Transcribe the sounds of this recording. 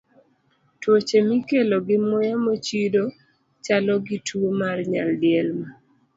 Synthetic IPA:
twot͡ʃemikeloɡɪmojamot͡ʃido | t͡ʃalɔɡitʰuomarɲaldɪɛlma

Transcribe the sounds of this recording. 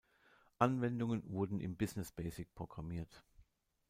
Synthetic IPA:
ʔanvɛndʊŋənvʊɐdn̩ʔɪ̰mbɪznɪsb̥ɛːsɪk̚pʁ̥oɡ̥ʁamiːɐt

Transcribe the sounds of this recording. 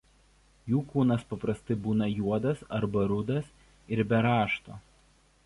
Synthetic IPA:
juːkuːnɐspɐpɾɐst̪ɐɪbuːnɐjuɔd̪ɐsɐɾbɐɾʊd̪ɐs | ɪɾbʲɛɾɑːʃt̪oː

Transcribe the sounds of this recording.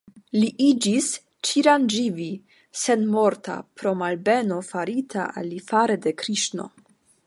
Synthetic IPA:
liʔid͡ʒis | t͡ʃiɾand͡ʒivi | se̞nmo̞ɾta̰pɾo̞malbe̞no̞faɾitʰa̰ʔa̰lːifaɾede̞kɾiʃno̞̰

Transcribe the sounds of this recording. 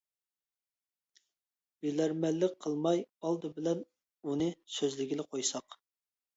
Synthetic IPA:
bilæɾmɛlːɪk̚ʲqʰəlˠmɑjɑlˠd̪ɨbɪlɛn | unɨsøzlɪɡʲilɪqʰojsɑq

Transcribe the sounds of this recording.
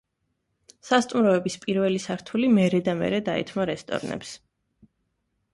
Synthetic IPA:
sast̪ʼumɾɔɛbispʼiɾvɛlisaɾt̪ʰulimɛɾɛd̪amɛ̰ɾɛd̪aɛ̰t̪ʰmaɾɛst̪ʼɔ̰ɾnɛ̰ps

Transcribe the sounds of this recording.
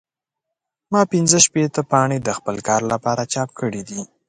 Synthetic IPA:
mɑpɪnzəʃpet̪əpɑɳed̪əxpəlkɑɾlapɑɾat͡ʃɑp̚kəɽid̪i

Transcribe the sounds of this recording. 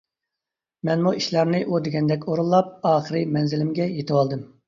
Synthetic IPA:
mɛnmuiʃlɑɾnɨʔud̪eɡʲɛnd̪ɛkʲoɾulˠːɑp̚ɑːχəɾɨmɛnzɪlɪmɡʲɛjet̪ʰɨwɑlˠd̪ɨm

